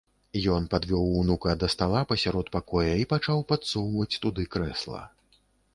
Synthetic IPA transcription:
jɔnpad̪vʲɔwunukɐd̪ɐst̪alˠapɐsʲaɾɔt̪pakɔjɐipat͡ʂawpat̪suwvɐt͡sʲt̪ud̪ɨkɾɛslˠɐ̰

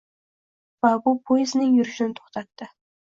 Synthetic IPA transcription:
vabʊpʰojɪznɪŋjʊɾɪʃɪnɪt̪ʰo̥χt̪ʰat̪ːɪ

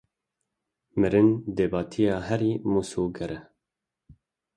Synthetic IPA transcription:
mɨɾɪnd̪eːbɑːt̪ʰijɑːɦɛɾiːmusoːɡɛɾɛ

